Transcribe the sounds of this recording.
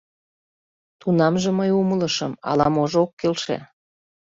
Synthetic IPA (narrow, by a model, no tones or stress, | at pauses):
t̪unɑmʒĕməjumələʃəmɑ̰lɑmoʒookːelʃḛ